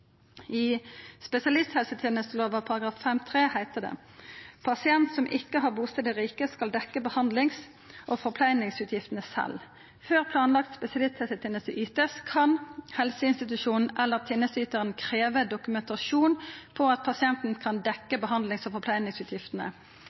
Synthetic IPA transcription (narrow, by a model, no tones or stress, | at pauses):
ɪspɛsɪɑlɪst̪hɛlsət̪ʰɛːnəst̪əloːʋəpʰɑʁɑɡʁɑːffɛmt̪ʰʁeːhæɪt̪əd̪ɛ̰ | pʰɑsɪɛnt̪sɔmʔɪkːəɦɑʁbuːst̪ɛd̪əʁiːkəskɑld̪ɛkːəbəhɑnd̪lɪŋs | ʔɔfɔʁpʰlæɪnɪŋsʉːt̪ʰjɪft̪ənəsɛ̰l | føːʁpʰlɑːnlɑk̚t̪spɛsɪɑlɪst̪hɛlsət̪ʰɛːnəsəʔyːt̪əskʰɑnhɛlsəɪnst̪ɪt̪ʉʂuːnn̩ʔɛlːəʁt̪ʰɪnːəsyːt̪əʁənkʰʁeːʋəd̪ʊkʉmɛnt̪ɑʃuːnpʰɔɑt̪̚pʰɑsɪɛnt̪n̩kʰɑnd̪ɛkːəbəɦɑnd̪lɪŋsɔfɔʁpʰlæɪnɪŋsʉːt̪ʰjɪft̪ənə̰